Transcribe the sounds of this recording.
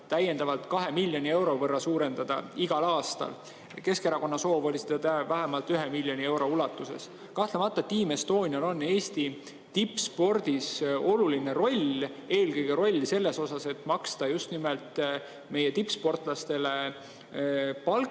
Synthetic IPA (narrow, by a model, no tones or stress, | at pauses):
t̪æjend̪̥ɑvɑlt̪kɑɦe̞milʲːjo̞nʲie̞wɾo̞vɤrːɑsuːɾe̞nd̪̥ɑd̪̥ɑ̰iɡ̥ɑlɑːst̪ɑ̰l | ke̞ske̞ɾɑko̞nːɑso̞ːvo̞lʲised̪̥ɑt̪ævæɦæmɑlt̪yɦemilʲːjo̞nʲie̞wɾo̞ulɑt̪ːˑuse̞̰s | kɑht̪lemɑt̪ːˑɑet̪ːiːmest̪o̞ːnʲjɑlo̞nːe̞ːst̪i | t̪ipːˑspo̞rd̪̥iso̞luline̞ɾo̞lʲ | e̞ːlkɤjɡ̥eɾo̞lʲːse̞lːe̞so̞sɑse̞t̪ːˑmɑkst̪ɑjust̪nimelt̪ | me̞jet̪ipːspo̞rt̪ˑlɑst̪e̞le̞ | pɑl